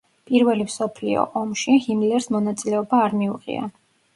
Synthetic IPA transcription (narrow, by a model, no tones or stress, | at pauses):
pʼiɾvɛlimsɔpʰlḭɔ̰ʔɔmʃihimlɛɾsmɔnat̪sʼilɛɔbaːɾmiuʁḭa̰